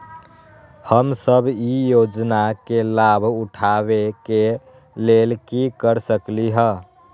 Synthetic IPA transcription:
həmsəbʱijod͡ʒnakelabʱuʈʰaβeke | lelkikəɾsəkliɦə

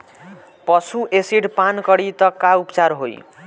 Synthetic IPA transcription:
pʌsuʔesiɽpankʌɽit̪ʌkaupt͡saɾɦo̰j

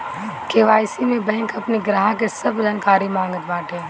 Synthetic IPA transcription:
keːʋaːjsimẽbɛ̃ːŋkɐpniɡɾaːɦãk̬esɐbd͡ʒaːnkaːɾimãːŋɡət̪ʋaːʈɦẽː

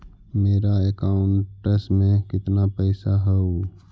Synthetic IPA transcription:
meːɾaekaːʊɳʈːəsmẽkɪt̪napɛɪsaɦɛo

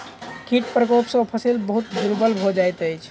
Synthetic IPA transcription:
kʰiʈpɾəkopsə̃pʰəsilbəɦut̪d͡ʒuɾbəlbʱod͡ʒajt̪əjt͡ʃʰ

